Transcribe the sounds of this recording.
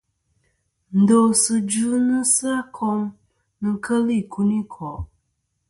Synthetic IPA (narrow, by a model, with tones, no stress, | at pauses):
n̩˨do˨sɨ˨d͡ʒu˦nɨ˦sa˦kʰɔ˦ŋ | nɨ˦kʰə˦lɨ˦i˨ku˦ni˦kʰɔ˨